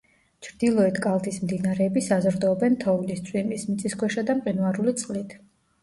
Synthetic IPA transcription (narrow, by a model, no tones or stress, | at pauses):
t͡ʃʰɾd̪ilˠɔɛt̪ʰkʼalˠt̪ʰismd̪inaɾɛːbisazɾd̪ɔɔbɛnt̪ʰɔulist̪sʰʼwimismit̪sʼiskʰwɛʃad̪amqʼinuaɾulit̪sʼqʼlit̪ʰ